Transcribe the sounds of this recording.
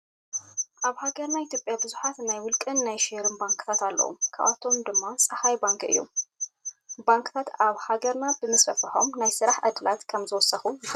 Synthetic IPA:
ʔaβhaɡɐɾnajɪt̪jopʼjabɨzuħat̪najwʊlkʼɨnːajʃeɾɨnbaŋkʰʼɨ̥t̪ʰat̪alːɐ̰wṵmkʰa̰βa̰t̪ʰo̞md̪ɨmːasʼɐhajbaŋkʼɨ̰jːṵm | baŋkʼɨt̪ʰat̪aβhaɡɐɾnabɨmɨsfɐfɨħo̞̰mnajsɨɾaħʔa̰d̪ɨlat̪kʰɐmzɨwɔsːɐxu

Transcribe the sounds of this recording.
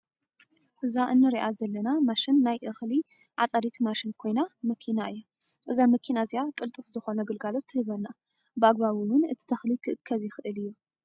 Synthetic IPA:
ʔɨzaʔɨnːɨɾiʔazɐlːɐnamaʃɪnːajʔɨxli | ʕa̰t͡sʼaɾit̪maʃɪnkʰo̞jnamɐkʰinaʔɨjːu | ʔɨzamɐkʰinazijakʼɨlt̪ʼɨfzɨxo̞nɐɡɨlɡalo̞t̪ʰːɨhɨβɐnːa | bɨaɡβaβiwʊnɨt̪ʰi̥t̪ʰɐxlikʰɨʔɨkʰːɐβjɪxɨʔɨlɨjːu

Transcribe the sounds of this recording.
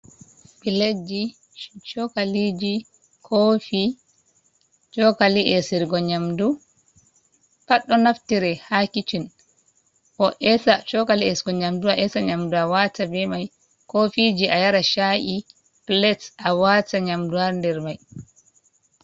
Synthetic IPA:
biled͡ʒi | ʃt͡ʃɔkalid͡ʒi | kʰofi | t͡ʃɔkaliʔɛsiɾɡɔɲamdu | kaɗːɔnaftiɾɛhakit͡ʃin | ʔɔʔɛsat͡ʃɔkaliɛsɡɔɲamduaʔɛsaɲamduawatabɛmaj | kofid͡ʒiʔajaɾaʃaʔi | plɛtawataɲamduwaɾndɛɾmaj

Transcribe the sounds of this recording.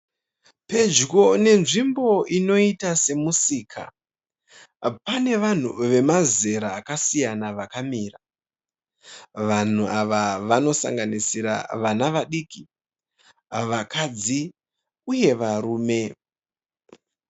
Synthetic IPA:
pe̞d͡ʒɡo̞ne̞nʐimbo̞ino̞itase̞musiːkʰa̰ | pane̞ʋan̤uʋe̞maze̞ɾaːkasijanaʋakamiːra | ʋan̤uaʋaʋano̞sa̰ŋɡanisiɾa̰ʋanaʋaɗiki | ʋakʰad͡zi | uje̞ʋaɾuːme̞

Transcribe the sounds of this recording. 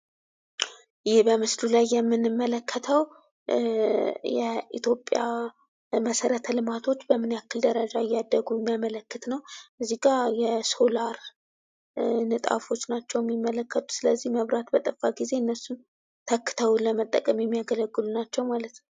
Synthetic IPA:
jɪhbəmɨslulajːɛmːɨnɨmːələkʰːət̪ʰəw | jɛḭt̪ʰjo̞pʼːja̰ | məsəɾət̪ʰəlɨmat̪ʰo̞t͡ʃːbəmɨnakːɨld̪əɾəd͡ʒaɪjːad̪ːəɡujɛmːijamələkːɨt̪nəwʔɨzːiɡʼajɛso̞laɾ | nɨt̪ʼa̰fo̞t͡ʃːnat͡ʃːɛwjɛmːimːələkːət̪ʼu̥sɨləzːihməβɾat̪bət̪ʼəfaɡize̞ɨnːəsːun | t̪ʰəkːɨ̥t̪ʰəwləmət̪ʼːəkʼəmjɛmːijaɡələɡːɨlunat͡ʃːɛwmalət̪n

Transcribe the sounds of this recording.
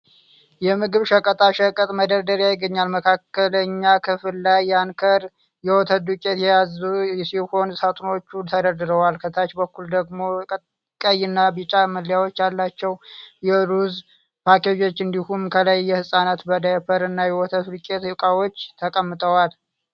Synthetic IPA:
jɛmɨɡɨβʃəkʼət̪ʼaʃəkʼət̪ʼməd̪əɾd̪əɾjajɪɡːəɲːalməkʰakːələɲːakʰɨfɨlːajːankʰəɾ | jɛwɔt̪ʰəd̪ukʲʼe̞t̪jɛjazusiho̞nsat̪ʼno̞t͡ʃːut̪ʰəd̪əɾd̪ɨɾəwalkʰət̪ʰat͡ʃbəkːuld̪əɡmo̞ | kʼəjɨnːabit͡ʃʼaməljawo̞t͡ʃːjalːat͡ʃːɛwjɛɾuz | pʰaked͡ʒo̞t͡ʃːɨnd̪ihumkʰələjːɛhɨsʼanat̪bəd̪əfəɾɨnːajɛwɔt̪ʰəd̪ukʼe̞t̪hɨkʼawo̞t͡ʃːt̪ʰəkʼəmːɨt̪ʼəwal

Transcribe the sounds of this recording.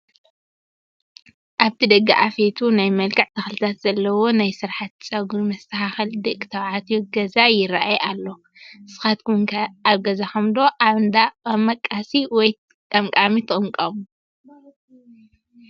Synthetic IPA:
ʔaβt̪ʰid̪ɐɡːaʔafet̪ʰunajmɐlkʰʼɐʕt̪ʰɐxlɨt̪ʰat̪z̥ɐlːɐwo̞najsɨɾħat̪̚t͡sʼɐɡuɾmɐst̪ʰɐhaxɨld̪ɨkʼɨ̥t̪ʰɐβʕat̪ʰjuɡɐzajɪɾaʔajʔalːo̞ | ɨsɨ̥xat̪kʰuŋʰɐaβɡɐzaxɐmd̪o̞ʔaβɨnd̪aɐmɐkʼːasiwɔj | kʼɐmkʼamit̪ʰɨkʼɨŋkʼɐmu

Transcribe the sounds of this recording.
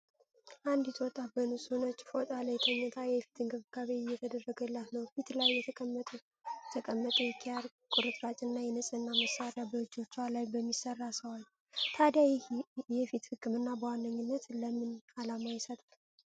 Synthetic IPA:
ʔand̪ɪt̪wɔt̪ʼabənushonət͡ʃːfot̪ʼaləjɛt̪ʰʼəɲːət̪ʰajɛfi̥t̪ʰɨŋɡɨβɡ̥aβeɪjːɛt̪ʰəd̪ərːəɡəlːat̪nəwfit̪lajːɛt̪ʰəkʼəmːət̪ʼ | ɛt̪ʰəkʼəmːət̪ʼujɛkʰːijaɾ | kʼʊɾɨt̪ʼɾat͡ʃʼɨnːajɛnəsʼɨnːaməsaɾjabəɨd͡ʒo̞t͡ʃːalajbəmːisərːasəwal | t̪ʰad̪jajjɛfit̪hɨkʰːɨmɨnːabəwanːəɲːɨnːət̪ləmɨnalamajɪsət̪ʼal

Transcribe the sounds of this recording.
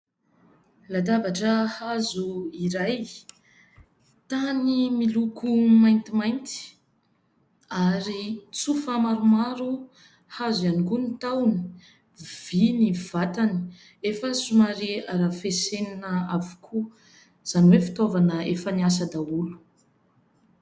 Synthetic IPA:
lad̪avaʈ͡ʂəhazuiɾaj | t̪animilukumajnt̪imajnt̪i̥ | aɾit͡sufamaɾumaɾu | hazianikunit̪awni̥ | v̥iniv̥at̪ani̥ | efəsumaɾiaɾafeseninəavu̥kʰu | z̥anwefi̥t̪ovanəefənias̬ad̪aulu̥

